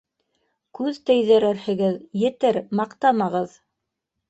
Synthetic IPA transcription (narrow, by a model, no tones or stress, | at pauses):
kʉðt̪ɘ̆jðɘ̆ɾɘɾhɘ̆ɡɘðjɘ̆t̪ɘɾmɑqt̪ɑmɑʁɤð